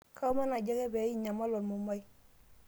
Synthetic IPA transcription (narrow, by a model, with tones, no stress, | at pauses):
kʰa˦u˦ma˦na˨ɟa˦kɛ˦bɛ˨˦i˦ɲa˨ma˦lɔ˨mu˨ma˦j